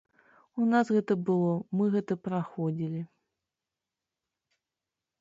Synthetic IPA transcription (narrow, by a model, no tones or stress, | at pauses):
unasɣɛt̪ɐbɨlˠɔmɨɣɛt̪ɐpɾaxɔd͡zʲilʲi